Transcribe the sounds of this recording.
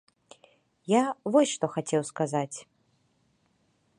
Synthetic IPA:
javɔsʲʂt̪ɔxat͡sʲɛwskazat͡sʲ

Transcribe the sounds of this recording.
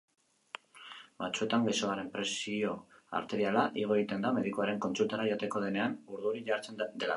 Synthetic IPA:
bat͡sue̞t̪aŋɡiso̞aɾe̞mpɾe̞sio̞a̰ɾt̪e̞ɾialaʔiɣo̞e̞ɣit̪e̞nd̪ame̞ðikoaɾe̞ŋko̞nt͡sult̪aɾaʝo̞t̪e̞ko̞ð̞e̞neanuɾðuɾiʝaɾt͡se̞nd̪e̞la

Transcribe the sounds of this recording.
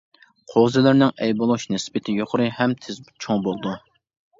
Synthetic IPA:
qʰozɪlɪɾnɪŋɛjbolˠuʃnɪsbɪt̪ʰɪjoqʰʊɾɨhɛmt̪ʰɪzt͡ʃʰoŋbolˠd̪u

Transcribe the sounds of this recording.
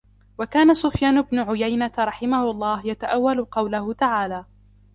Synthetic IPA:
wakaːnasʊfjaːnʊbnʊʕʊjajnat̪aɾˤɑħɪmahʊlˤːɑːhjat̪aʔawːalʊqɑwlahʊt̪aʕaːlaː

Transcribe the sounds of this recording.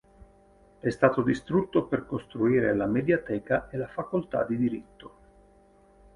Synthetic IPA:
ɛst̪aːt̪od̪ist̪ɾut̪ːoperkost̪ɾuiːɾelamed̪jat̪ɛːkaelafakolt̪a̰d̪id̪iɾit̪ːo

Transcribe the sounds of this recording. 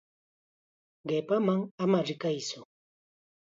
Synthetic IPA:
ɢepamaŋamaɾɪkajsʊ

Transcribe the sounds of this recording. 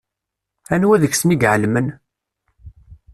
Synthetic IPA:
ænwæðəçsniɡʕəlmən

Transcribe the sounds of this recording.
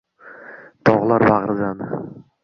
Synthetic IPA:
t̪ʰɒʁlˠaɾbaʁɾɪzanɪ

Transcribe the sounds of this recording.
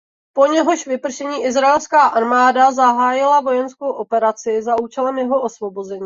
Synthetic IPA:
po̞ɲɛɦo̞ʃvɪpr̩ʃɛɲiːʔɪzɾaɛlskaːʔaɾmaːdazaɦaːjɪlavo̞jɛnskowʔopɛɾat͡sɪzaʔuːt͡ʃɛlɛmjɛɦo̞ʔosvo̞bozɛɲiː

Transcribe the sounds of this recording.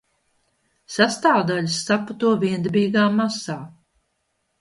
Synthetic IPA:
sast̪aːwd̪aʎʲsːaput̪uɔviɛnd̪biːɡaːmasaː

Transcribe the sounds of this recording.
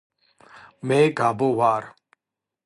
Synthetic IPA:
meːɡʱaːboːʋaːɾ

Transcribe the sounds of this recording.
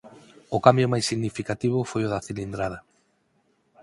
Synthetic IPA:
ʊkambjʊmajsːiɣnifikat̪iβʊfojʊðaθilind̪ɾað̞ɐ

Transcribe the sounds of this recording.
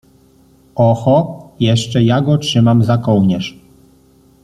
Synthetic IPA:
ɔxɔjɛʂt͡ʂɛjaɡɔtʂɘmamzakɔwɲɛʂ

